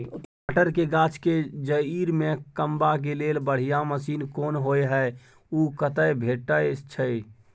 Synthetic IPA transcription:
aʈəɾkeɡaːt͡ʃʰked͡ʒəiɾmẽkəmbak̬eleːlbəɽ̤ijaməsiːnkoːnɦoːeɦɛ | ukət̪əjbʱeːʈːəet͡ʃʰəe

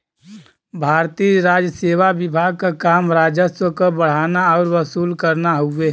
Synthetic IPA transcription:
bʱaːɾt̪iɾaːd͡ʒəseːʋabɪbʱaːɡ̚kakaːmɾaːd͡ʒəswəkobəɽ̤aːnaɔːɾʋəsuːlkəɾnaɦue

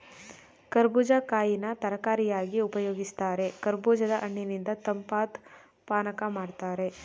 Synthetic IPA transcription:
kɐɾbuːd͡ʒakaːjinɐt̪ɐɾɐkaːɾijaːɡiupɐjoːɡist̪aːɾe̞kɐɾbuːd͡ʒɐd̪ɐʔɐɳːinind̪ɐt̪ɐmpaːt̪ | paːnɐkɐmaːɽt̪aːɾe̞

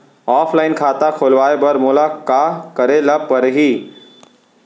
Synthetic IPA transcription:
ɔːpʰlaːɪnkʰaːt̪akʰoːlʋaːebəɾmoːlakakəɾeləb̚pəɾɦiː

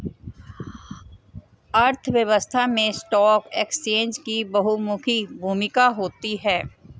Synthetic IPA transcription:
ɐɾt̪ʰʋjəʋəst̪ʰamẽsʈɔːkeːkst͡ʃẽːnd͡ʒkibɐɦumʊkʰibʱuːmɪkaɦoːt̪iɦɛː

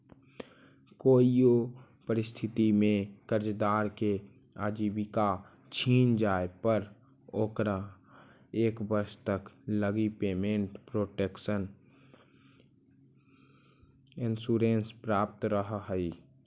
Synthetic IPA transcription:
koːio | pəɾɪst̪ʰɪt̪imẽkəɾd͡ʒd̪aːɾke | aːd͡ʒibika | t͡ʃʰiːnd͡ʒaːepəɾ | oːkɾa | eːkbəɾʃt̪əkləɡipeːmẽɳʈpɾoʈekʃən | ɪnsuːɾenspɾaːp̚t̪ɾəɦəɦəi

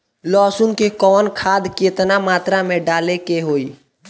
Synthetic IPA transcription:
lɔːsʊnkekɔːnkʰaːd̪keːt̪namaːt̪ɾamẽɖaːlekeɦoːiː

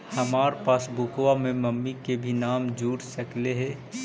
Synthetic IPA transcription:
hɐmaːɾpaːsbukwamẽməmːikebʱinaːmd͡ʒuːɽsəkleɦɛ

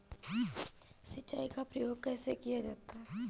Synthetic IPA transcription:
sɐtːt͡ʃːaːikapɾɐjoːɡ̚kɛːsekijad͡ʒaːt̪aɦɛ

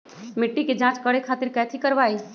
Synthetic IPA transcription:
mɪʈːiked͡ʒãːt͡ʃkəɽekʰaːt̪ɪɾkɛːt̪ʰikəɾʋaːi

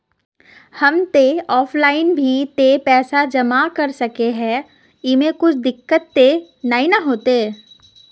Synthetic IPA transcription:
hɐmt̪eɔːfʰlaːɪnbʱit̪epɛːsad͡ʒɐmakɐɾsɐkeɦɛ̃ː | ɪmẽkʊt͡ʃʰd̪ɪkːət̪ːe | nainɐɦoːt̪eː

